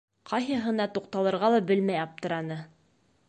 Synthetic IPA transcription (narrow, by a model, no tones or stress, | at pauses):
qʰɑjɦɤ̆ɦɤ̆nɑt̪uqt̪ɑlˠɤ̆ɾʁɑlˠɑbɘlmæjɑp̚t̪ɤ̆ɾɑnɤ